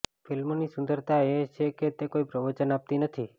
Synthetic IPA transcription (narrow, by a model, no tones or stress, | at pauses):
filmonisʊ̃nd̪əɾt̪aet͡ʃʰeket̪ekoipɾəʋət͡ʃənap̚t̪inət̪ʰi